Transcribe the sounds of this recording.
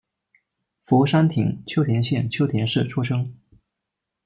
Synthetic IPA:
fu˧˥ʂa˥nt̪ʰḭ˨˩˦ŋt͡ɕʰjo˥ʊt̪ʰjɛ˧˥nɕjɛ˥˧˩nt͡ɕʰjo˥ʊt̪ʰjɛ˧˥nʂɻ̩˥˩ʈ͡ʂʰu˥ʂɤ˥ŋ

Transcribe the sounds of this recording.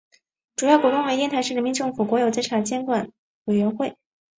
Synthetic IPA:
ʈ͡ʂu˨˩jɑ˥˩ʊkwɔ˧˥t̪ʊ˥ŋwe˧˥t̪jɛ˥˧nt̪ʰa˧˥ʂɻ̩˥˩ɻə˧˥nmi˧˥nʈ͡ʂɤ˥˩ŋfu˨˩kwɔ˧˥jo˨˩ʊt͡sa˥ʈ͡ʂʰa˧˥˩t͡ɕjɛ˥nkwa˨˩˦n | we˨˩ɪɥɛ˧˥nxwe˥˩ɪ

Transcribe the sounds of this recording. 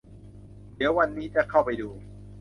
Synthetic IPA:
ni˨˦əwa˧nːiː˦˥t͡ɕa˨˧˩kʰa˥˩wpa˧jduː˧

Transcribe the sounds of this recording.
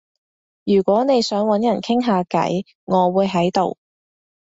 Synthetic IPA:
jyː˨˩kʷɔː˨˥ne˨˧jsœː˨˥ŋwɐ˨˥njɐ˨˩nkʰɪ˥ŋɦaː˨˧kɐ̰˨˥j | ŋɔː˨˧wuː˨˧jɦɐ˨˥jt̪o˨˧w

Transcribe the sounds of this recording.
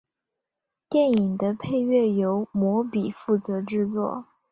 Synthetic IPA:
t̪jɛ˥˩ni˨˩ŋd̪ə˦pʰe˥˧ɪɥɛ˥˩jo˧˥ʊmwɔ˧˥pi˨˩fu˥˩t͡sɤ˧˥ʈ͡ʂɻ̩˥˧t͡swɔ̰˥˩

